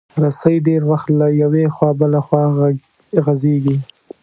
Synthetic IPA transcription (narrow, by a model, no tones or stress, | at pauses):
ɾasajɖeɾwaxt̪lajawexwɑbalaxwɑ | ɣazeɡi